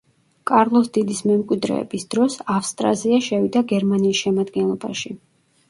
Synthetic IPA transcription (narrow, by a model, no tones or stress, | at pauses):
kʼaɾlˠɔsd̪id̪ismɛmkʼwid̪ɾɛ̰ɛ̰bisd̪̥ɾɔsafst̪ʼɾa̰ziaʃɛvid̪aɡɛɾmaniːsʃɛmad̪ɡɛnlˠɔba̰ʃi